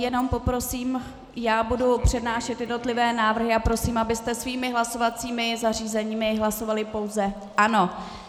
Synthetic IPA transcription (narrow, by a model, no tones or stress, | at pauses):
jɛno̞mpo̞pɾo̞siːm | jaːbudupr̝̥ɛdnaːʃɛt̪jɛdno̞t̪lɪvɛːnaːvr̩ɦɪʔapɾo̞siːmʔabɪst̪ɛsviːmɪɦlaso̞vat͡siːmɪzar̝iːzɛɲiːmɪɦlaso̞valɪpo̞wzɛ | ʔano̞